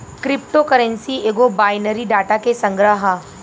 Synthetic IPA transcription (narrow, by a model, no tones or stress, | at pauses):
kɾɪp̚ʈokəɾə̃nsieːɡobaːjnəɾiɖaːʈakesə̃ŋɡɾəɦə